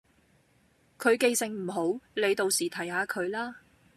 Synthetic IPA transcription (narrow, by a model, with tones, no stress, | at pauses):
kʰɵ˨˧ɥke˧jsɪ˨ŋm̩˨˩ɦo˨˥wle˨˧jt̪o˨˧wsiː˨˩t̪ʰɐ˨˩jhaː˨˧kʰɵ˨˧ɥlaː˥